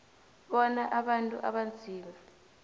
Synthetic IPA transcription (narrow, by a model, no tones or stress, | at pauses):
ɓɔnaʔaɓantʼṵʔa̰ɓand͡zʱiːma